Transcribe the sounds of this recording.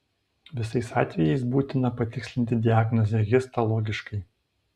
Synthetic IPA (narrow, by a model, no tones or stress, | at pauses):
ʋʲɪsɐɪsɑːt̪ʲʋʲɛjɛɪsbuːt̪ʲɪnɐpɐt̪ʲɪksʲlʲɪnʲt̪ʲɪd̪ʲɪæːɡnɔzʲɛɡʲɪst̪ɐlˠɔːɡʲɪʃkɐɪ